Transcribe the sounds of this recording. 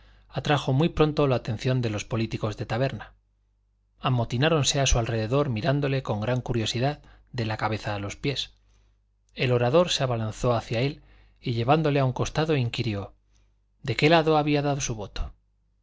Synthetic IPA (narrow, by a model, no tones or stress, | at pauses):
at̪ɾaxo̞mwijpɾo̞nt̪o̞laːt̪e̞n̟θjo̞nd̪e̞lo̞spo̞lit̪iko̞zðe̞t̪aβ̞e̞ɾna | amo̞t̪inaɾo̞nse̞asualre̞ðe̞ðo̞ɾmiɾand̪o̞le̞ko̞ŋɡɾaŋkuɾjo̞siðað | d̪e̞lakaβ̞e̞θaːlo̞spje̞s | e̞lo̞ɾaðo̞ɾseaβalanθo̞aθjae̞l | iʎe̞βand̪o̞le̞auŋko̞st̪aðo̞iŋkiɾjo̞ | d̪e̞ke̞laðo̞aβiaðaðo̞suβ̞o̞t̪o̥